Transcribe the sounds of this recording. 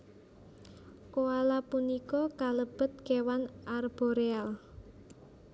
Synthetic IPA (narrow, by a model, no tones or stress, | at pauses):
koalapunikɔkaləb̥ə̤t̪̚kewanarb̥ɔɾeal